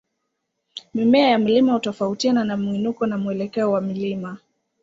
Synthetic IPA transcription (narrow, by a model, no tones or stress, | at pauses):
mimɛajam̩limahutɔfautiananamuinukɔnamuɛlɛkɛɔwamilima